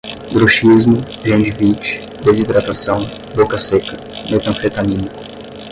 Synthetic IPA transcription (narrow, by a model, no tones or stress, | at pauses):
ɡɾoʃizmʊ | ʒẽd͡ʒivit͡ʃɪ̥ | d̪ezid̪ɾat̪asɐ̃w̃ | bokɐsekɐ | met̪ɐ̃fɾet̪anĩnikʊ̥